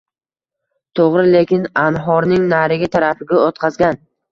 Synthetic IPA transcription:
t̪ʰoʁɾɪle̞kʲɪnanɦɒɾnɪŋnaɾɪɡʲat̪ʰaɾafɪɡʲaot̪qʰɑzɡʲan

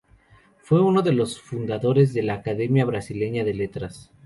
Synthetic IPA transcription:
fwe̞uno̞ðe̞lo̞sfund̪aðo̞ɾe̞zðe̞laːkaðe̞mjaβɾasile̞ɲaðe̞le̞t̪ɾas

